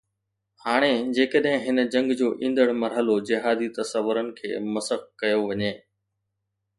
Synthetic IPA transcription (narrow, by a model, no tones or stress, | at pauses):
haːɽ̃ed͡ʑeːkəɗɦɪ̃ɦɪnəd͡ʑɐ̃ŋɡd͡ʑoːʔĩːnd̪əɽmɐɾɦəlod͡ʑɪɦaːd̪it̪ɐsəʋːʊɾənɪ̆kʰḛːmɐsəxkɐjoʋɐɲeː